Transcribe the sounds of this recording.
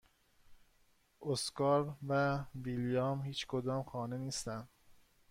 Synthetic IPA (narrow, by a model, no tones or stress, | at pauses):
ʔoskɒːɾvæviljɒmhiːt͡ʃkʰod̪ɒːmxɒːne̞niːst̪ænd̪